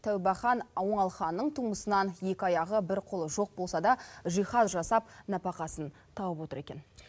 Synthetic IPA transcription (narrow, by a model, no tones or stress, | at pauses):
t̪ʰæwbɑχɑnɑwəɴɑlˠχɑnːəɴt̪ʰuməsənɑnje̞kʲɪɑjɑʁəbɪɾqʰolˠəʒo̞q̚bo̞lˠsɑd̪ɑʒijχɑzʒɑsɑp̚nɑpɑqɑsən | t̪ʰɑwəpwo̞t̪əɾe̞kʲe̞n